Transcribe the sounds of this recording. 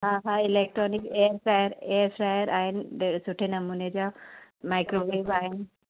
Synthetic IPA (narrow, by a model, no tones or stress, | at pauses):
ɦãɦãilek̚ʈɾɔnikeɾsɾajəɾeɾsɾajəɾaenesuʈʰenəmuned͡ʑamajkɾoʋebaɦen